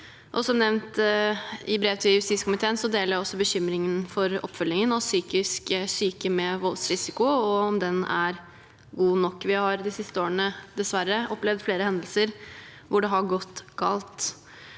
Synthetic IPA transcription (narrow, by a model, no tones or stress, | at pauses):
ʔɔsɔmnɛʋnt̪ | ɪbɾeːʋt̪ʰɪljʉst̪iːskʊmɪt̪ʰeːənsɔd̪eːləɾɔsːɔbəɕʏmɾɪŋənfɔɾɔ̰pːfœlːɪŋənɔsyːkɪsksyːkəmɛʋɔlsɾɪsɪkʊɔɔmd̪ɛnæ̰ɾ | ɡuːnɔkːʋɪhɑɾd̪ɪsɪst̪əoːəɳəd̪ɛsʋæɾːəɔpːlɛʋd̪fleːɾəhɛnd̪lsəɾ | ʋʊɖɛɦɑɡɔt̪ːɡɑːlt̪